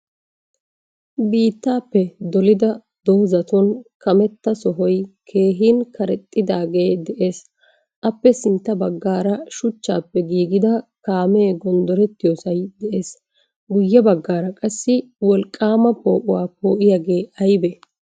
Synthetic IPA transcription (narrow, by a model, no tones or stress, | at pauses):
biːt̪ːaːpːɛd̪ɔlɪd̪ɐ | d̪oːzɐt̪ɔnkɐmɛt̪ːɐsɔɦɔjkʰe̞ːɦiːnkɐɾɛt̪ʼːɪd̪aːɡe̞ːd̪ɛʔe̞ːs | ʔɐpːɛsɪnt̪ːɐbɐɡːaːɾɐʃʊt͡ʃːa̰ːpːɛɡiːɡɪd̪ɐkaːmɛːɡɔnd̪ɔɾɛt̪ːɪjoːsɐjd̪ɛʔe̞ːs | ɡʊjːɛbɐɡːaːɾɐkʼɐsːɪ | wɔlkʼːaːmɐpo̞ːʔʊwaːpo̞ːʔɪjaːɡe̞ːɐjbɛ